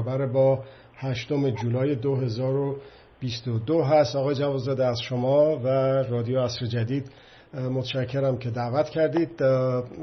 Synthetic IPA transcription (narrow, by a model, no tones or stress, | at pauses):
bæɾebɒː | hæʃt̪o̞me̞d͡ʒuːlɒːjed̪oɦe̞zɒːɾo | b̥ist̪od̪oɦæst̪ɒːɣɒːjed͡ʒævɒlzɒd̪eæzʃomɒːværɒːd̪ijoæsɾed͡ʒæd̪iːd̪ | mot̪ʰæʃæcʰːe̞ɾæmcʰe̞d̪æʔvæt̪ʰcʰæɾd̪iːd̪̚